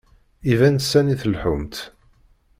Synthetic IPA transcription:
ivænsːæniθəlħʊmt̪

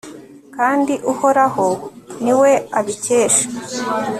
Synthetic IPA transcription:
kaːndiʔuho̞ɾahoniwe̞aβice̞ːʃḁ

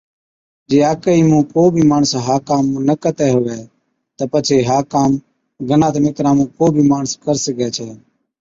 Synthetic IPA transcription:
d͡ʒeːaːkəiːmũːkoːbʱiːmaːɳsɦaːkaːmːũːnəkət̪ɛːɦoːʋɛː | t̪əːpət͡ʃʰeːɦaːkaːm | ɡʱənãːt̪ːmɪk̪ɾaːmũːkoːbʱiːmaːɳəskəɾsəkɛːt͡ʃʰɛː

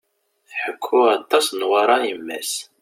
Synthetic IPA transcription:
θħəkʰːʊɑt̪ˤːɑsnwɑɾˤɑimːæs

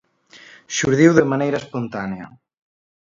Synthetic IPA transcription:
ʃuɾðiwðemanejɾɐespont̪aneɐ̰

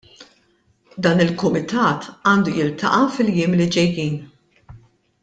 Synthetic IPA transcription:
d̪ɐːnɪlkʊmɪt̪ɐːt̪ɐːnd̪ujɪlt̪ɐ̰ʔɐfɪljɪːmlid͡ʒɛjːiːn

